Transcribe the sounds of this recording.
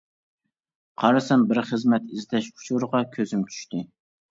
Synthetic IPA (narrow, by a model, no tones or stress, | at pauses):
qʰɑɾɨsɛnbɪɾχəzmɛt̪ɪzɪt̪ʰɛʃqʰʊ̥ʃʰuɾəʁɑkʲʰøzɪmt͡ʃʰy̥ʃt̪ɪ